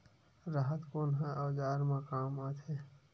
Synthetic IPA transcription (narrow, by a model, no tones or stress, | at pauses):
ɾaɦət̪koːnɦẽʔəːd͡ʒaːɾmẽkaːmaːt̪eː